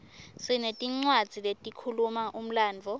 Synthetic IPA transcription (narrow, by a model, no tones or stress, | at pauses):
sinetʼiŋ͡ǀwad̥z̥ʱiletʼikʰulumaʔum̩laːnd͡vʱɔ